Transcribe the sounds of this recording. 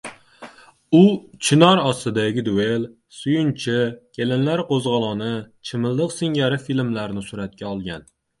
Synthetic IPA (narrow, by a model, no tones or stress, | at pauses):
ut͡ʃʰɪnɒɾɒst̪ɨd̪æɡʲɪd̪uel | sujunt͡ʃʰɪkʲʰelɪnlaɾqozʁɑlˠɑnɨt͡ʃʰɪmɨlˠd̪ɨqsɪŋɡʲæɾɪfilmlæɾnɪsuɾat̪̚kʲaɒlˠɡʲæn